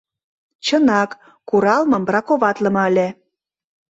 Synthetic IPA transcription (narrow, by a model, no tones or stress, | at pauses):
t͡ɕənɑkː | uɾɑlmɤ̆mbrɑkoβɑt̪lə̆mɤəlʲe